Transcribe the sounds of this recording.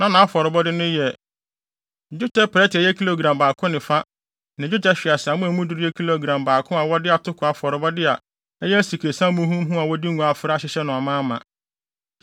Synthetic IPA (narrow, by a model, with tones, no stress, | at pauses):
nã˦nã˨a˦fɔ˨ɾɪ˨bɔ˦dɪ˦nʊ̃˦jɛ˨ | d͡ʑʊ˦tʰɛ˦pʰɾɛ˦tɪ˨ɛ˦jɛ˦kʰi˦lo˦˨ɡɾã˨mbaː˨kʰʊ̃˦nɪ̃˨fa˦ | nã˨d͡ʑᶣʊ˦tɛ˦ɕᶣɪ˨a˨sa˨mʊ̃˦æ˨mũ˦du˦ɾɪ˦ɛ˦kʰi˦lo˦˨ɡɾã˨mbaː˨kʰʊ̃˦a˨wɔ˦dɪ˦a˨tʰʊ˦kʰʊ˨a˨fɔ˨ɾɪ˨bɔ˦dɪ˦a˨ | ɛ˦jɛ˦æ˦si˨kʰe˨sã˦mũ˦ɦũ˦m˦ɦũ˦a˨wɔ˦di˦ŋũ˦a˨fɪ˦ɾa˦ɕɪ˦ɕɛ˦nʊ̃˨a˨mãː˦mã̰˨